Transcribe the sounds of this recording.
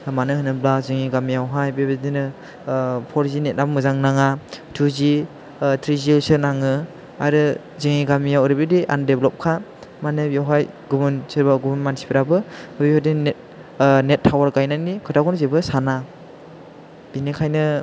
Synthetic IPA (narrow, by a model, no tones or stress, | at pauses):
manɯhɯnɯblazɯŋiɡamijawɦajbebidinɯ | pʰɔɾzinet̚nabmɯzaŋnaŋatʰuzi | tʰɾizilsɯnaŋɯ | aɾɯ | zɯŋiɡamijawɾibidiʔa̰ndeblɔp̚kʰamanɯbjawɦaj | ɡumunsɯɾbaɡumunmansʰi̥pʰiɾabɯɯbihɔdint̚ | netʰːawaɾɡajnanikʰɯtʰakʰɔnzebɯsana | b̥inikʰajnɯ